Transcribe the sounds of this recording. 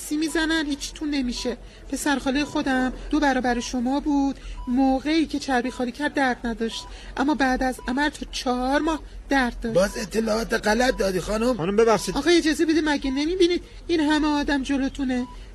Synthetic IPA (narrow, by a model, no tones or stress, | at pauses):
siːmizænænhiːt͡ʃʰːi̥t̪ʰunːe̞miːʃe̞ | pʰe̞sæɾxɒːlijexo̞d̪æmd̪̥o̞bæɾɒːbæɾeʃo̞mɒːbuːd̪̥moːɣe̞iːcʰe̞t͡ʃʰæɾbixɒːliːcʰæɾd̪ːæɾd̪næd̪ɒʃt̪ | ʔæmːɒːbæːd̪æzæmæɾt̪ʰɒːt͡ʃʰɒhɒɾmɒːhd̪̥æɾd̪̚d̪ɒːɒːzet̪ʰːelɒːɒːt̪eɣælæt̪̚d̪ɒːd̪ixɒnumɒnumbeβæχʃiːd̪ɒːɣɒːed͡ʒɒːzebe̞d̪imæɟene̞mibiniːd̪̥ | inɦæmeɒːd̪æmd͡ʒo̞lo̞t̪ʰune